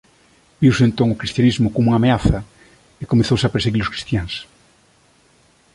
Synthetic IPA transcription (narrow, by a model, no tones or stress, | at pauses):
biwsent̪õŋokɾist̪janizmʊkomuŋameaθɐ | ekomeθowsapeɾseɣiɾʊskɾi̥st̪jaŋs